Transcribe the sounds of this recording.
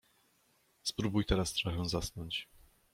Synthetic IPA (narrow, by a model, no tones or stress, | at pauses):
spɾubujt̪ɛɾast̪ʂaxɛw̃zasnɔɲt͡ɕ